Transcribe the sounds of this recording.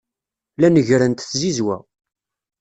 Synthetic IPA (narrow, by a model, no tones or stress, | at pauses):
lænəʝɾənt̪θzizwæ̰